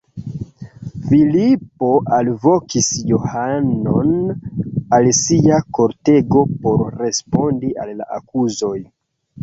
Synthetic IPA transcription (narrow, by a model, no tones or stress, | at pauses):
filipo̞ʔalvo̞kʰisjo̞hano̞n | alsiako̞ɾte̞ɡo̞po̞ɾɾe̞spo̞ndia̰lːa̰ʔa̰kuzo̞j